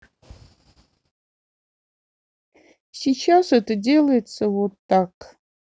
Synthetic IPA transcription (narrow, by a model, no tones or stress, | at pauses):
sʲit͡ʃʰaset̪ɨdʲelˠɐjɪt͡səvot̪ːak